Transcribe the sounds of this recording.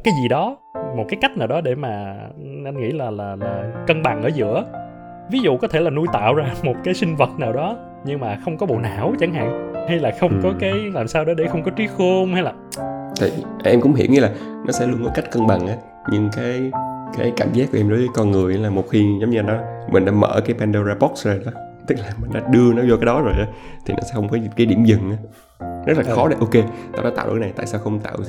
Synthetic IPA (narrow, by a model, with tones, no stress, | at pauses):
kaː˨˦jzi˨˩ɗɔ˨˦ | mo˨˩t̚kaː˨˦jka˦˥k̟naː˨˩wɗɔ˨˦ɗe˧˩maː˨˩ | ʔa˧jnŋḭ˧˥laː˨˩laː˨˩laː˨˩kə˧nɓa˨˩ŋʔəː˧˩zɨ̰˧˥ə | vi˨˦zṵ˧˨kɔ˨˦t̪ʰe˧˩laː˨˩nu˧jt̪a̰ː˧˨wzaː˧mo˨˩t̚kaː˨˦jsï˧ŋ̟və˨˩t̚naː˨˩wɗɔ˨˦ | ɲɨ˧ŋmaː˨˩xə˧wŋ͡mkɔ˨˦ɓo̰˧˨na̰ː˧˩˨wt͡ɕa˨˦ŋɦa̰ː˧˨ŋha˧jlaː˨˩xə˧wŋ͡mkɔ˨˦kaː˨˦jlaː˨˩msaː˧wɗɔ˨˦ɗe˧˩xə˧wŋ͡mkɔ˨˦t͡ɕwi˨˦xo˧ŋha˧jlaː˨˩t̪ʰḭ˨˩˧ | ʔɛ˧mkʊ̰˧˥ŋ͡mhḭ˧˩əwɲi˨˦laː˨˩ | nɔ˨˦sɛ̰˧˥lu˧ənkɔ˨˦jka˦˥k̟̚kə˧ŋɓa˨˩ŋʔaː˨˦ | ɲɨ˧ŋkaː˨˦jkaː˨˦jka̰ː˧˩ŋ̟zaː˦˥kːʔɛ˧ɗo˨˦jvəː˨˦jkɔ˧nŋɨ˨˩əjʔa˨˦laː˨˩mo˨˩t̚xi˧zə˨˦ŋ͡mɲɨ˧nɔ˨˦mï̟˨˩ɗa̰ː˧˥mə̰ː˧˩kaː˨˦jpɛ˧nɗə˧zaː˧pɔ˦˥k̚szo˨˩jɗɔ˨˦ | t̪ɨ˦˥k̚laː˨˩mï˨˩ŋ̟ɗaː˧˥ɗɨ˧ənɔ˨˦zɔ˧kaː˨˦jɗɔ˨˦zo˨˩jʔa˨˦t̪ʰi˨˩nɔ̰˨˦sɛ̰˧˥xə˧wŋ͡mfaː˨˦jkaː˨˦jɗḭ˧˩əmzɨ˨˩ŋʔaː˨˦ | zə˦˥t̚laː˨˩˨xɔ˨˦ɗe˨˦ʔo˧ke˧t̪a̰ː˧˩kaː˧˥a̰ː˧˨wʔkːna˨˩t̪a̰ː˧˨jsaː˧wxə˧wŋ͡mt̪a̰ː˧˨w